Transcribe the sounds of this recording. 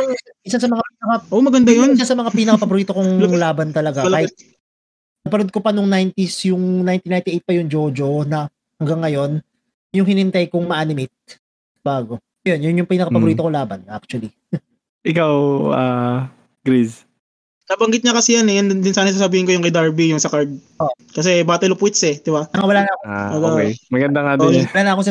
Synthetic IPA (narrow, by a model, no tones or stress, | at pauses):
aʔɪsasɐmɐŋapiːnɐkɐʔomɐɡɐnd̪ɐjonɪsasɐmɐŋapiːnɐkɐpɐboɾiːt̪o̞koŋlaːbɐnt̪ɐlɐɡaklaːɪt̪̚ | ɐpɐnod̪̚kopɐnʊŋnajnt̪isjʊŋnajnt̪inajnt̪ɪʔejt̪̚pɐjʊŋd͡ʒod͡ʒo̞nɐ | hɐŋɡɐŋːɐjo̞n | jʊŋhɪnɪnt̪ajkoŋmɐʔaːnɪmɪt̪̚ | b̥aːɡo̞ | jonjʊnjʊŋpiɪŋnɐkɐpɐbʊɾiːt̪okolaːbɐnʔa̰k̚t͡ʃʊɐli | ʔɪkawa | ɡɾis | sabɐŋɡɪt̪̚ɲɐkɐsɛjanɛjand̪ɪnsaːnɐs̬aːsɐbiːhɪnkojʊŋkɐjd̪aɹbijʊŋsɐkaɹd̪̚ | o | kɐs̬ɛbaːt̪ɐlʊpwɪt̪sɛd̪ɪbaɐŋawɐlaːnɐkoaokɛjmɐɡɐnd̪aŋad̪onwɐlaːnɐɐkosɐ